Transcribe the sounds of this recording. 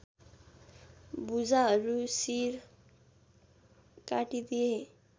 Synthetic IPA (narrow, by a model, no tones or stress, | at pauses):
bud͡zaɾusiːɾ | kaʈit̪ie